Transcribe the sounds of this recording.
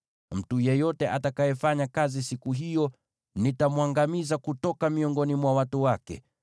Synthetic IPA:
m̩tujɛjɔtɛʔatakajɛfaɲakazisikuɦijɔ | nitamwaŋɡamizakutɔkamiɔŋɡɔnimwawatuwakɛ̰

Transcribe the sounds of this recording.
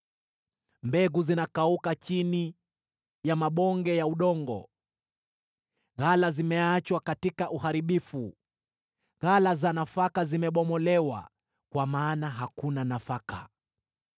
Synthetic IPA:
mbɛɡuzinakaukat͡ʃini | jamaɓɔŋɡɛjauɗɔŋɡɔ̰ | ɣalazimɛat͡ʃwakatikaʔuhaɾiɓifu | ɣalazanafakazimɛɓɔmɔlɛwa̰ | kwamaːnaɦakunanafaka̰

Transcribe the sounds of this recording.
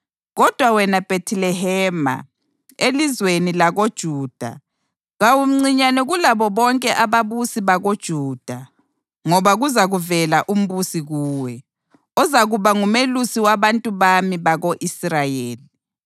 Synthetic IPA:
ɣɔd̥ʱwawɛnab̥ʱetʰilɛɦɛːma̰ | elizwenilaɣod̥ʒ̥ʱuːd̥ʱa̰ | ɣawum̩ŋ͡ǀiɲanɛɣulaβɔβɔŋkʼɛʔaβaβusiβaɣod̥ʒ̥ʱuːd̥ʱa | ŋɔβaɣuzaɣuvɛlaʔum̩βusiɣuːwɛ | ɔzaɣuβaŋumelusiwaβantʼuβamiβaɣoʔisrajeːli

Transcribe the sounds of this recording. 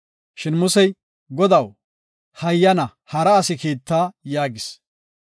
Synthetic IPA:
ʃɪnmʊsɛj | ɡɔd̪ɐw | hɐjːɐnɐ | hɐɾɐːsɪkiːt̪ːaːjaːɡɪs

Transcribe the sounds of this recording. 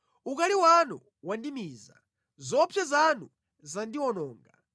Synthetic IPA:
ukaliwanu | wandimiːza̰ | zɔpʰjɛzanu | zandiwɔnɔːŋɡa̰

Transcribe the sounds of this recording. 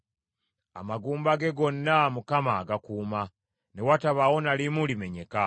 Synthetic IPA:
a̰maɡuːmbaɡe̞ɡo̞nːamukamaɡakuːma | ne̞wataβawo̞nalimulime̞ɲe̞ka

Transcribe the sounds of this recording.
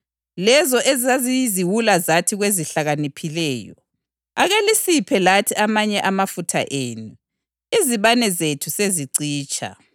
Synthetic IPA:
lɛzɔʔezazijziwulazatʰiɣweziɬaɣanipʰilɛːjɔ̰ | aɣalisipʰɛlatʰiamaɲɛʔamafutʰa̰ʔeːnu | iziβanɛzetʰuseziǀiːt͡ʃʼa̰

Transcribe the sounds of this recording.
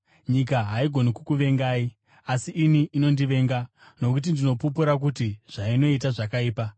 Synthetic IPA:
ɲik̬aɦaiɡʱo̞nikukuʋe̞ŋɡaːi | asiʔːniʔino̞ndiʋe̞ŋɡa | no̞kut̬indino̞pupuɾak̬utiʐ̥aino̞it̬aʐakaiːpa

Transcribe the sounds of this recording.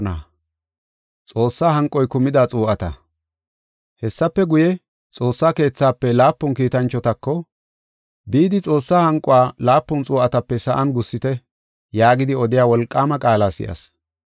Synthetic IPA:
na | t͡sʼo̞ːsːaːhɐŋkʼːɔjkʊmɪd̪at͡sʼuːʔɐt̪ɐ̰ | hɛsːɐpːɛɡʊjɛ | t͡sʼo̞ːsːaːke̞ːt͡sːaːpːɛlaːpːʊnkiːt̪ɐnt͡ʃːɔt̪ɐkːɔ | biːd̪ɪt͡sʼo̞ːsːaːhɐŋkʼʊwaːlaːpːʊnt͡sʼuːʔɐt̪ɐpːɛsɐʔɐnɡʊsːɪt̪ɛ | jaːɡɪd̪ɪɔd̪ɪjaːwɔlkʼːaːmɐkʼaːlaːsɪ̰ʔɐ̰s

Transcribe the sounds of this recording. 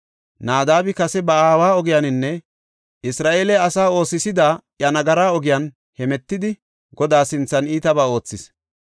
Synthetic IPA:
naːd̪aːbɪkɐsɛbɐaːwaːɔɡɪjanɪnːɛ | ʔɪsɾaːʔeːlɛɐsaːo̞ːsɪsɪd̪aːʔjɐnɐɡɐɾaːɔɡɪjan | hɛmɛt̪ːɪd̪ɪ | ɡɔd̪aːsɪnt͡sːɐniːt̪ɐbaːo̞ːt͡sːɪs

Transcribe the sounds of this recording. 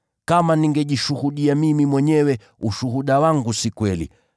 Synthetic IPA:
kamaniŋɡɛʄiʃuhuɗiamimimwɛɲɛwɛ | uʃuɦuɗawaŋɡusikwɛlḭ

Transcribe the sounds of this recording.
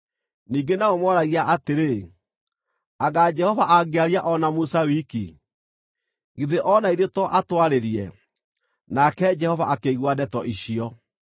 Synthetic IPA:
niːɡenaomwɔɾaɣiaʔateɾe | aɣad͡ʒɛhɔvaʔaɣeaɾjaʔɔnamusawiki | ɣiðeʔɔnaiðetɔʔatwaɾeɾiɛ̰ | nakɛd͡ʒɛhɔvaʔakeɣwadɛtɔʔiɕiɔ

